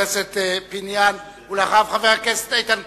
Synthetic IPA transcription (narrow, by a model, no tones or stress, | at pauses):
eset̪epinjan | ulaχavχaveʁakese̥t̪ajt̪an